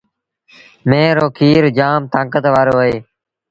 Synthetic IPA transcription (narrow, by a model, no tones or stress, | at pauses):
mẽːɾoːkʰiːɾd͡ʒaːmt̪ãːkət̪ʋaːɾoːɦeː